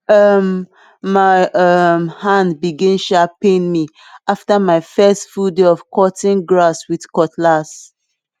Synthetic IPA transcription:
ʌmː | aɪʔʌmhãndbiɡɛ̃nʃapẽnmi | aftamaɪfɛstfuldeɔv̥kɔtĩnɡɹaswið̥kɔtlas

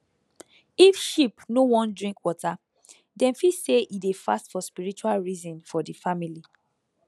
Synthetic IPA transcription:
ifʃipnowɔ̃ndɹĩŋkwɔta | dɛ̃nfiseʔidefa̰stfɔspiɹit͡ʃualɹizɔ̃nfɔdifamili

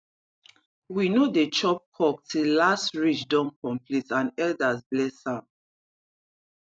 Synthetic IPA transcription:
winodet͡ʃɔp̚kʰɔk̚tʰilːastɹit͡ʃdɔ̃mkɔ̃mplitãnɛldasblɛsãm

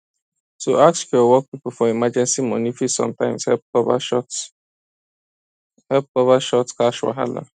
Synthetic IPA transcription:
soakskɛɔwɔk̚pipofɔimad͡ʒɛ̃nsimɔnifisɔ̰̃mtãɪ̃mshɛp̚kɔva̰ʃɔt | hɛp̚kɔvaʃɔtskaʃwa̰ɦa̰la̰

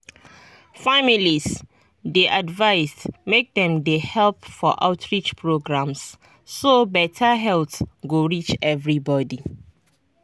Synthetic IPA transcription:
familis | deʔadvaɪsmek̚dɛ̃mdehɛlp̚fɔ̰ʔa̰ʊtʰɹit͡ʃpʰɹoɡɹãmsː | obɛtʰəɦɛlθɡoɹit͡ʃɛvɹibɔdi

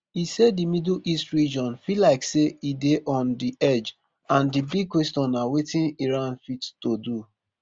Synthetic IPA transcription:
isɛddimidl̩ʔistɹid͡ʒɔ̃nfilaɪkseideʔɔ̃ndiʔɛd͡ʒ | ãndibiɡ̚kːwestɔ̃nawetĩniɹãnfittodu

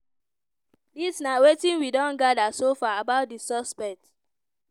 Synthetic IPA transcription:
disnawetĩnwidɔ̃nɡadasofaabaʊt̚disɔspɛk̚t

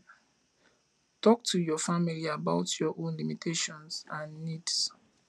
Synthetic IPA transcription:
tɔk̚tʰujɔfamiliabaʊtʰjɔʔõnlimitʰeʃɔ̃nsãnːids

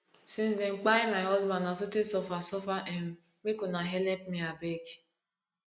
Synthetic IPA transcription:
sĩnsdɛŋ͡m̩k͡paimaɪɦɔzbãndnasotesɔfasɔfaʔɛm̩ | mekonaɦɛlɛp̚miabek

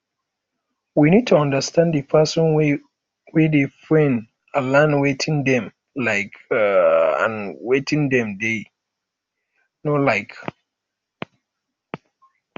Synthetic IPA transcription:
winid̚tʰuɔ̃ndəstʰãnddɨpʰasɔ̃nwe | wedefɹɛ̃n | alãnwetʰĩŋdɛ̃m | laɪk | ã̰nwetʰĩŋdɛ̃mde | nɔlaɪk

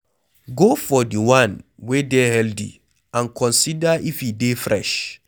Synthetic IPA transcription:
ɡofɔdiwãnwedɛhɛldḭ | ãnkʰɔ̃nsidaʔifjidefɹɛʃ

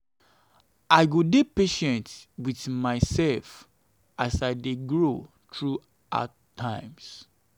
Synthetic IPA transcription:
aɪɡodepeʃɛ̃ntwiθmaɪsɛlf | ʔasaɪdeɡɹo | tɹu | ʔa̰ | tʰãɪ̃ms

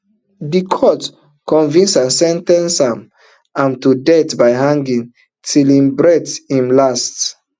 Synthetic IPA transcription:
dikʰɔt | kɔ̃nvĩnsãnsɛ̃ntɛ̃nsãm | ãmtudɛtbaɪɦãŋɡĩŋ | tʰilĩmbɹɛthĩmlast

